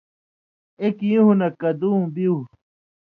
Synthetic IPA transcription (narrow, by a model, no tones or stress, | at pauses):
ekjũɦunɐkɐd̪ũːbiu